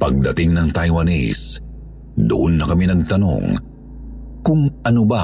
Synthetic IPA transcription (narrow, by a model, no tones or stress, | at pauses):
pɐɡ̚d̪ɐt̪ɪŋnɐŋt̪ɐjwɐnḭs | d̪ʊ̰ʔonːɐkɐminɐɡ̚t̪ɐno̰ŋ | kʊŋʔɐnoba